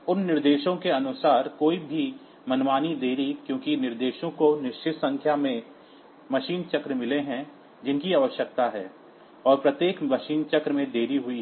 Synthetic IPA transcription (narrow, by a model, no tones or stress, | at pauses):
ʊnːɪɾd̪eːʃõkeɐnʊsaːɾkoːibʱi | mɐnwaːnid̪eːɾikjõːkinɪɾd̪eːʃõkonɪʃt͡ʃʰɪt̪sɐ̃ŋkʰjamẽ | mɐʃiːnt͡ʃɐkɾəmɪleɦɛ̃ | d͡ʒɪnkiaːʋəʃjək̚t̪aɦɛ̰ː | ɔːɾpɾɐt̪jeːkmɐʃiːnt͡ʃɐkɾəmẽd̪eːɾiɦʊi